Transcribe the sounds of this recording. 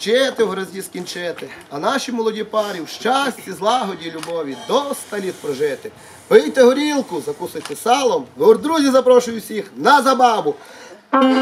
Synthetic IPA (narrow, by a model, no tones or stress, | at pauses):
t͡ʃɛt̪ɪwɦɾɐzʲiskʲinʲt͡ʃɛt̪ɪɐnɑʃʲimɔlˠɔdʲipɑɾʲiwʃt͡ʃɑsʲt͡sʲizlˠɑɦɔdʲilʲʊbɔʋʲid̪ɔst̪ɐlʲit̪̚pɾɔʒɪt̪ɪ | pɪjt̪eɦɔɾʲilˠkʊzɐkusɪjt̪ɪsɑlˠɔmɦɔrd̪ɾuzʲizɐpɾɔʃʊjʊwsʲixnɐzɐbɑbʊ